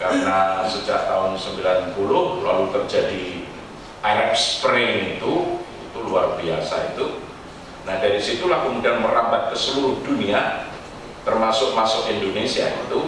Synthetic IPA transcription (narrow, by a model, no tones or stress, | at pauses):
kaɾənasəd͡ʒaʔ̚t̪aʊnsəmbilanpulʊhlalut̪ərd͡ʒadi | aɾɛkspɾenit̪u | it̪uluarbiasait̪u | nahdaɾisit̪ulahkəmudianməɾambat̪̚kəsəluɾʊhdunia | t̪ərmasʊk̚masʊkindonesiaḭt̪u